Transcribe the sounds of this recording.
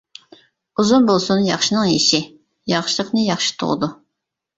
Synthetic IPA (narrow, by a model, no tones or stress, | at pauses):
uzunbolˠsunjɑχʃɨnɨŋjiʃɪ | jɑχʃɨlˠəqnɨjɑχʃɪ̥t̪ʰʊ̰ʁə̰d̪ʊ